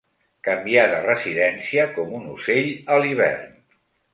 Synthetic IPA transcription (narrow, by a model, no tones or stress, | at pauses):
kəmbiaðərəziðɛnsiəkɔmunuseʎəliβ̞ɛ̰rn